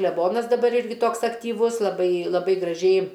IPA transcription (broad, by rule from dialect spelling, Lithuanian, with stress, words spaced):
klʲɛˈboːnɐs dɐˈbɐr ˈɪrʲɡʲɪ ˈtoːks ɐktʲiːˈʋʊs lˠɐˈbɐɪ lˠɐˈbɐɪ ɡrɐˈʒʲɛɪ